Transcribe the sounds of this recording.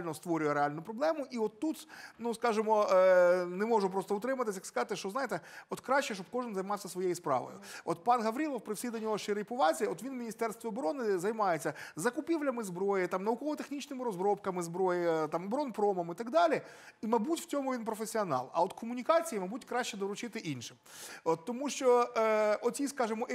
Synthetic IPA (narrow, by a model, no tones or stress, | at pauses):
lʲnɔst̪ʋɔɾʲʊjɛɾeɑlʲnʊpɾɔblˠɛmʊʔiɔt̪ːut̪nuskɑʒɪmɔ | nɛmɔʐʊp̬ɾɔst̪ɔʊt̪ɾɪmɐt̪ɪsʲjɐkskɐzɑt̪ɪʃt͡ʃɔznɑjet̪ɛɔt̪kɾɑʃːɛʃt͡ʃɔp̚kɔʐɪnzɐjmɑwsʲɐsʋɔjejispɾɑ̰ʋɔ̰jʊ̰ɔt̪pɑnɦɐʋɾʲilˠɔwpɾɪwsʲid̪ɐnʲɔɦɔʃt͡ʃɪɾejpʊʋɑt͡sʲiɔt̪ʋʲinmʲinʲist̪ɛrst̪ʋʲɪɔbɔɾɔnɪzɐjmɑjet͡sʲːɐzɐkʊpʲiʋlʲɐmɪzbɾɔjɪt̪ɑmnɐʊkɔʋɔt̪exnʲit͡ʃnɪmɪɾɔzbɾɔpkɐmɪzbɾɔjɪt̪ɑmɔbɾɔnpɾɔmɔmit̪ɐɡd̪ɑlʲiimɐbutʲw̥t͡sʲɔmʊʋʲinpɾɔfesʲiɔnɑ̰lˠɐ̰ɔt̪kʰɔmʊnʲikɑt͡sʲijimɐbutʲkɾɑʃʲt͡ʃːɛd̪ɔɾʊt͡ʃɪt̪ɪʔinʃɪmɔt̪ːɔmuʃt͡ʃɔ | ɔt̪ʲiskɑʒɪmɔ